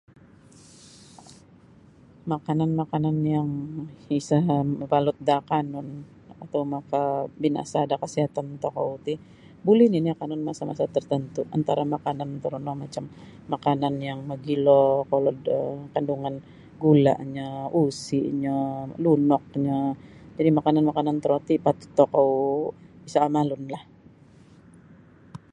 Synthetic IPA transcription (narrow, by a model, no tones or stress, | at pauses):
makananmakananjaŋisapalʊt̪̚dakanɔn | at̪awmakabina̰saːdakasiɦat̪ant̪okout̪i | bulɪniniakanɔnmasama̰sat̪ərt̪ənt̪uʔant̪aɾamakanant̪əɾunɔmat͡ʃamː | akananjaŋməɡilokaloəkanduŋan | ɡula̰ʔɲausiʔɲalunɔk̚ɲad͡ʒadimakananmakanant̪əɾot̪ipat̪u̥t̪ːokowbisaːmalʊnlah